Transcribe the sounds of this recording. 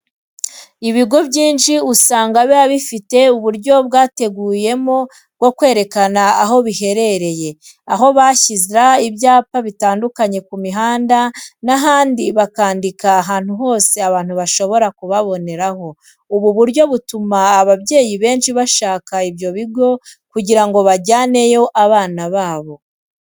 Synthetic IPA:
iβiɡo̞bɟiːnʃiusaːŋɡaβeaβifite̞uβuɾɟo̞bɡaːte̞ɡuːje̞mo̞ | ɡo̞kwe̞ːɾe̞kanaːɦo̞βihe̞ɾe̞ɾe̞je̞ | aɦo̞βaçiziɾaiβjaːpaβitaːndukaɲe̞kumiɦaːndanaɦaːndiβakaːndikaːɦaːn̥huɦo̞ːse̞aβaːn̥huβaʃo̞βo̞ɾakuβaβo̞ne̞ɾaho̞ | uβuβuɾɟo̞βutumaːβaβɟe̞ːjiβe̞ːnʃiβaʃaːkaiβjo̞βiɡo̞kuɟiɾaŋɡo̞βaɟaːne̞jo̞ʔaβaːnaβaːβo̞

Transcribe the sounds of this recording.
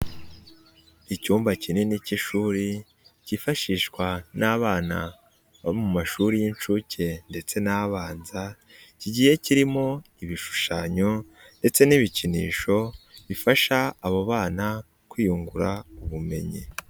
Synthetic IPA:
icuːmbacineniciʃuːɾi | cifaʃiːʃkwanʔaːβaːna̰ | βaimumaʃuːɾijint͡ʃucʰe̞nde̞t͡se̞naːβaːnza | ciɟiːje̞ciɾimo̞iβiʃu̥ʃaɲo̞ | nde̞t͡se̞niβicinḭːʃo̞βifaʃaːβoβaːna | kwiːjuŋɡuɾauβume̞̰ɲḭ

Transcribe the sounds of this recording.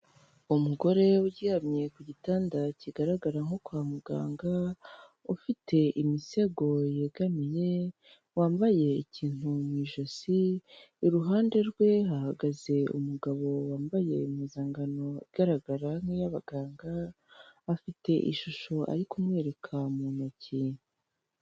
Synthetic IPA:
umuɡo̞ɾe̞wuɟihamɲe̞kuɟitaːndaciɡaɾaɡaɾaŋ̥okwamuɡa̰ːŋɡa | ufitʰe̞ʔimise̞ɡo̞jeɡamije̞ | waːmbaje̞iciːn̥humwiʒosiː | ɾuɦaːnde̞ɾɡwe̞ɦahaɡaze̞ṵmuɡaβo̞waːmbaje̞̰miːzaːŋɡano̞ḭɡ̥aɾaɡaɾaŋ̥hijaβaɡaːŋɡaː | fite̞ʔḭʃuʃo̞ʔa̰ɾikumŋe̞ːɾe̞kʰamuːnocinu

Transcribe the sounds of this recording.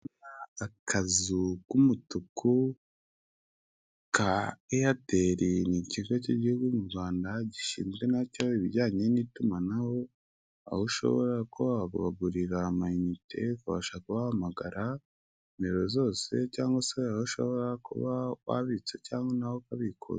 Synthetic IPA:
akʰazukumutukʰu | kaejate̞ɾiniciŋɡociɟihuɡuumuɾɡwaːndaɟiʃḭːnzɡe̞nacaiβiɟaːɲe̞nitumanaho̞ | a̰huʃo̞̰βo̞̰ɾakʰuβakuβaɡuɾiɾamainitʰe̞kuβa̰ʃakuβahamaɡaɾʔa | imeɾo̞zo̞ːse̞caːŋɡwaseahuʃo̞̰βo̞ɾakṵβaβa̰βit͡secaːŋɡonahokaβikʰo̰z

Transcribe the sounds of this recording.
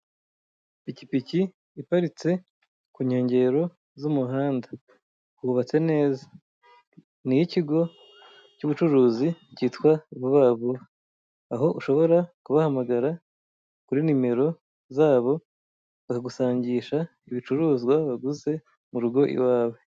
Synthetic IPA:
picipici | ipaɾit͡se̞ | kuɲho̞ːɲɟe̞ɾo̞ | zumuɦaːnda | huβat͡se̞ne̞ːzḁ | nijiciɡo̞ | cuβut͡ʃuɾuːziciːtkwaβuβaːβu | aɦo̞ʔuʃo̞βo̞ɾakuβahamaɡaɾa | kuɾinime̞ɾo̞ | zaːβo̞ | βakaɡusaːɲɟiːʃa | iβit͡ʃuɾuːzɡwaβaɡuze̞ | muɾuɡo̞ʔḭwaːwe̞

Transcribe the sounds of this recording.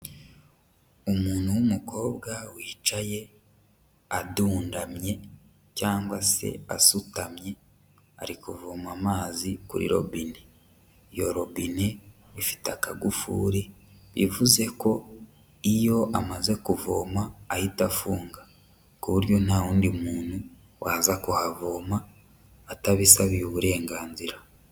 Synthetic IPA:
umuːnhuwumuko̞ːbɡawiːt͡ʃaje̞ | aduːndamɲe̞ | caːŋɡwase̞̰a̰sutamɲe̞ | a̰ɾikuvoːmamaːzikṵɾḭɾo̞̰bine | jo̞ɾo̞βine | βifi̥takaɡufṵːɾe̞ | βḭvuze̞ko̞ | ijo̞ʔamaze̞kuvoːmaːhitafuːŋɡa | kuβuɾjo̞nawuːndimuːn̥u | wʔaːzakuhavoːmaː | taβisaβiuβuɾe̞ːŋɡaːnziɾa

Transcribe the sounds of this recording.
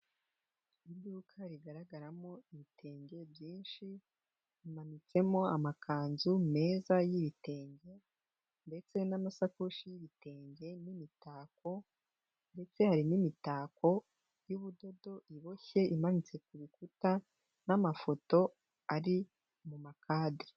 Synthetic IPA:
idduːkʰaɾiɡaɾaɡaɾamo̞iβitʰe̞ːɲɟe̞bjiːnʃi | imanit͡se̞mo̞amakʰaːnzume̞ːzajiβite̞ːɲɟe̞ | nde̞t͡se̞namasakuʃijiβite̞ːɲɟe̞nimitaːk̚o̞ | nde̞t͡se̞haɾinimitaːko̞ | juβudo̞do̞ʔiβo̞çe̞ʔimanit͡se̞kuβikuta | namafo̞to̞ | aɾi | mumakʰaːdi

